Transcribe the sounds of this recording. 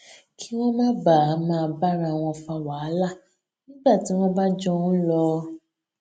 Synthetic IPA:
kʰi˦w̃ɔ̃˦mã˦ba˨˦mãː˨˧ba˦ɾ̃ã˧˨w̃ɔ̃˧fa˧wa˨˦la˦˨ | nĩ˦ɡ͡ba˦˨ti˨˦w̃ɔ̃˦ba˦d͡ʒɔ˦ũ˦lɔ˧

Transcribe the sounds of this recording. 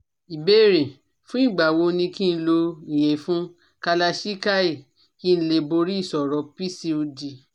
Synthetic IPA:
i˨be˦˨ɾẽ˨ | fũ˦i˦˨ɡ͡ba˨wo˧nĩ˧kĩ˦n̩˦lo˧ĩ˨je˨˦fũ˦ | ka˧la˧ʃi˦ka˦i˦˨ | ki˦n̩˦le˧bo˧ɾi˦i˦˨sɔ˨ɾɔ˨˧pi˦si˧o˧di˧

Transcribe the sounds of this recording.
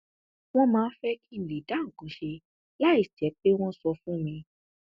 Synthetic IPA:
w̃ɔ̃˦mãː˨˦fɛ˦ki˦˨le˨da˨˦ŋ̩˨kũ˨˦ʃe˧ | la˦i˦˨tɛ˨˦k͡pe˦w̃ɔ̃˦sɔ˧fũ˦mĩ˧

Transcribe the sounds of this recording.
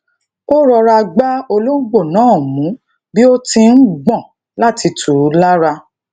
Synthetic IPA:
o˦ɾɔ˧ɾa˧ɡ͡ba˦o˧lo˦ɡ͡bo˦˨nãː˨˦˨mũ˨˦ | bi˦o˦tĩ˧n̩˦ɡ͡bɔ̃˦˨ | la˦ti˧tʰu˨˦la˦ɾa˧

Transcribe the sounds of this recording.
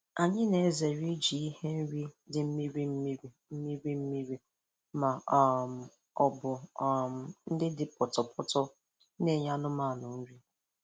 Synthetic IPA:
a˨ɲɪ˦ne˨e˦ze˨ɾi˦d͡ʒi˨i˦he˦n̩˦ɾi˦dɪ˨m̩˦mi˦ɾi˦m̩˦mi˦ɾi˨ | m̩˦mi˦ɾi˦m̩˦mi˦ɾi˦ | ma˨˦˨m̩˨ | ɔ˨bʊ˨m˨n̩˦dɪ˦dɪ˨pɔ˨tɔ˨pʰʊ˦tɔ˦ | ne˨ɲa˦nʊ˦ma˦˨nʊ˨n̩˦ɾi˦

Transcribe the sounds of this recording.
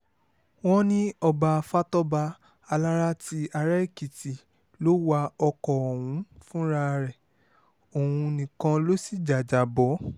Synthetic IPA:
w̃ɔ̃˦nĩ˦ɔ˧ba˧fa˦tɔ˦ba˧ | a˧la˦ɾa˦ti˧a˧ɾa˦i˦˨ki˨ti˨ | lo˨˦wa˧ɔ˧kɔ˨o˨wũ˨˦fũ˦ɾa˦˧ɾɛ˨ | o˨wũ˧nĩ˨kã˧lo˦si˦˨d͡ʒa˨d͡ʒa˨bɔ˨˦

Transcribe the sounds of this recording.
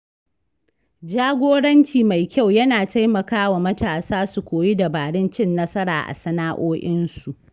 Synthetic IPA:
d͡ʒaː˦ɡʷoː˦ɽɐ˦nt͡ʃiː˨ma˨jkʲa˦˨wjɐ˦naː˨ta˦jmɐ˨kaː˦wa˨mɐ˦taː˨saː˦su˨kʷoː˨ji˦da˨baː˨ɽɪ˦nt͡ʃɪ˦˨nːɐ˦sɐ˦ɾa̰ː˨ʔa̰˨sɐ˦naː˦ʔoː˦ʔɪ˦nsu˨ʔ

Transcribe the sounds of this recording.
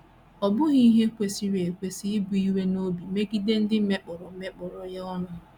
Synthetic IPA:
ɔ˨bʊ˦ɣi˦i˦ɦe˦kʷe˨si˨ɾe˨kʷe˨si˦ɪ˦bu˨i˦we˦no˦bi˨me˦ɡi˦de˦n̩˦dɪ˦me˦k͡pɔ˨ɾɔ˨˦me˦k͡pɔ˨ɾɔ˨ja˦ɔ˦nʊ˨

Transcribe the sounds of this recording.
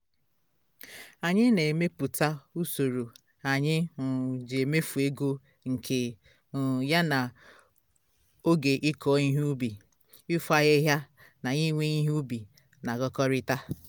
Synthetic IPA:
a˨ɲɪ˦ne˨me˦pu˨ta˦u˦so˨ɾo˨ | a˨ɲɪ˦˨d͡ʒe˨me˦fu˨e˦ɡo˦ | ŋ̩˨kʰe˨ | ja˦na˨ | o˦ɡe˨ʔɪ˦kʰɔ˨˦ɲi˦ɦu˦u˦bi˨ | ɪ˦fu˦a˦ɣe˦ɦja˦ | na˨ɲi˦ŋʷe˦ɲi˦ɦbi˨ | na˨ɡɔ˦kɔ˦ɾɪ˦ta˦

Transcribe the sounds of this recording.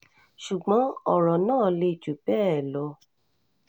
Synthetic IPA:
ʃu˨ɡ͡bɔ̃˨˦ɔ˨ɾɔ˨nãː˦˨le˧˨t͡ʃu˨bɛ˦ɛ˨lɔ˧˦

